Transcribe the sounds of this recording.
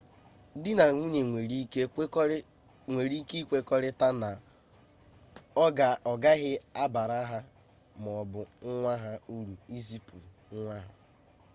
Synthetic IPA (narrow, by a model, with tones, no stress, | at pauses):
dɪ˦na˨ŋʷu˦ɲe˨ŋʷe˨ɾi˦e˦ | ŋʷe˨ɾi˦ki˦kʷe˦kɔ˦ɾɪ˦ta˦na˨ | ɔ˦ɡa˨ɔ˨ɡa˦ɦɪ˦a˦ba˨ɾa˦ɦa˦ | m˨ɔ˨bʊ˨ŋ̩˦ŋʷa˦ɦa˦u˦ɾu˨i˦zi˦pṵ˨lŋ̩˦ŋʷa˦ɦʊ˨